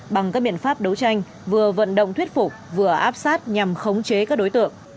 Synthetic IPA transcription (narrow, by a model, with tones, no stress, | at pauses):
ɓa˨˩ŋkaː˦k̚ɓḭ˧˨ənfaː˦˥p̚ɗə˨˦wt͡ɕa˧jŋ̟ | vɨ˨˩əvə̰˧˨nɗə̰˧˨wŋ͡mt̪ʰwi˦˥ət̚fʊ˨˩k͡p̚vɨ˨˩əʔaː˦˥p̚saː˦˥t̚ɲa˨˩mxə˨˦wŋ͡mt͡ɕe˨˦kaː˦˥k̚ɗo˨˦jt̪ɨ̰˧˨əŋ